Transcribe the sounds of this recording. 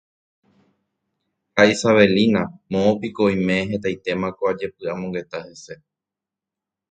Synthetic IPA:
haisaβe̞linãmõopikojmẽ̞ɦet̪ajt̪e̞mãkoad͡ʒe̞pɨamoŋɡe̞t̪ahe̞se̞

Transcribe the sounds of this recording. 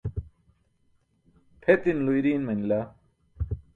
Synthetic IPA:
pʰet̪inlujɾiːnmɐnla

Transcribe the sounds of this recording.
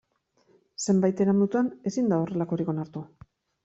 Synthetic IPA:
se̞mbajt̪e̞ɾamut̪uane̞sind̪ao̞re̞lako̞ɾiko̞naɾt̪u

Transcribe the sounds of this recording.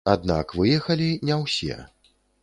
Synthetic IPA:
ad̪̚na̰kvɨjɛxɐlʲinʲɛwsʲɛ̰

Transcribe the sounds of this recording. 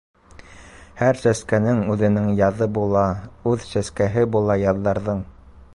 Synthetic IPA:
hæɾsæskænɘŋʉðɘ̆nɘŋjɑðɤbulˠɑʉðsæskæɦɘbulˠɑjɑðːɑɾðɤɴ

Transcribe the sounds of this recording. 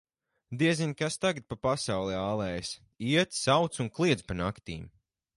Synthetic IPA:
d̪iɛzinʲkast̪aɡat̪̚papasawlˠɛaːlˠɛːjs | iɛt̪sawt̪sunklˠiɛd̪zpanakt̪ḭːm

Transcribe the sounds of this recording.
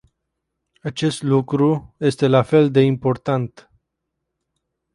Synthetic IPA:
at͡ʃe̞st̪lukɾuje̞st̪e̞lafe̞ld̪e̞impo̞rt̪ant̪

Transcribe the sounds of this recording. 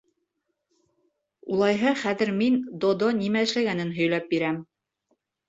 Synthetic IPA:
ulˠɑjɦɤχæðɘ̆ɾmind̪od̪onimæɘ̆ʃlæɡænɘnɦɵ̆jlæp̚biɾæm

